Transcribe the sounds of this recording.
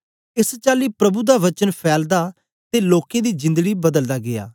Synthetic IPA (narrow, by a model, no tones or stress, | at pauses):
ɪst͡ʃaːliːpɾəbud̪aːʋət͡ʃənpʰɛːld̪aː | t̪eːloːkẽd̪iːd͡ʒɪ̃nd̪əɡiːbəd̪əld̪aːɡɪja̰ː